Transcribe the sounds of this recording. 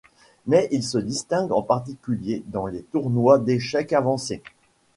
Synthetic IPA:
mɛilsəd̪ist̪ɛ̃ɡɑ̰̃paʁt̪̬ikʲyljed̪ɑ̃let̪uʁnwad̪eʃɛkavɑ̃se

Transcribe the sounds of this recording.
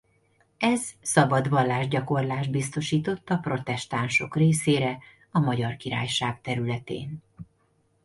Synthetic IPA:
ɛzsɒbɒd̪ʋɒlːaːʒɟɒko̞rlaːʒd̪̚bist̪o̞ʃiːt̪o̞t̪ːɒpro̞t̪ɛʃt̪anʃo̞̰kreːseːɾɛ | ɒmɒɟɒrkiɾa̰ːjʃaːk̚t̪ɛɾylɛt̪ḛːn

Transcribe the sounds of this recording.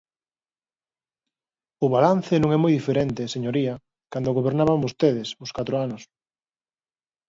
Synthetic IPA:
ʊβalan̟θenõŋɛmojðifeɾent̪eseɲoɾiɐ | kand̪oɣoβeɾnaβaŋost̪eðɪsʊskat̪ɾoanʊs

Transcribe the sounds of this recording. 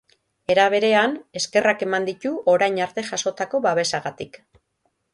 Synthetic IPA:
e̞ɾaβ̞e̞ɾe̞ane̞ske̞rake̞mand̪it̪uʔo̞ɾajɲaɾt̪e̞ʝaso̞t̪ako̞βaβ̞e̞saɣat̪ik

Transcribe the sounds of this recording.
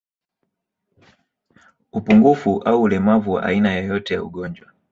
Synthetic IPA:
upuŋɡufuʔauːlɛmavuwa̰ʔa̰inajɔjɔtɛja̰ṵɡɔnd͡ʒwa

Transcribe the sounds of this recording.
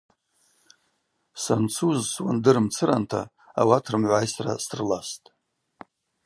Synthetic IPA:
sant͡sʰuzswandɨɾɨmt͡sʰɨɾantʰa | awatʰrɨmʕʷajsra̰sʰrlastʼ

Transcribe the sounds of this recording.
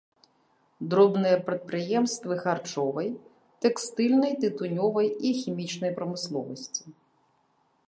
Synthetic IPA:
d̪ɾɔbnɔjɛpɾɪt̪̚pɾɪjɛmst̪ʋɪxɐrt͡ʃɔʋɔj | t̪ekst̪ɪlʲnɔjt̪ɪt̪ʊnʲɔʋɔjixʲimʲit͡ʃnɔjpɾɔmɪslˠɔʋɔsʲtʲi̥

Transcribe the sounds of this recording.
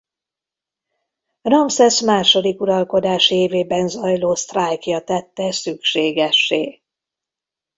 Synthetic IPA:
rɒmsɛsmaːʃo̞d̪ikuɾɒlko̞d̪aːʃieːveːbɛnzɒjloːst̪rajkjɒt̪ɛt̪ːɛsykʃeːɡɛʃːeː

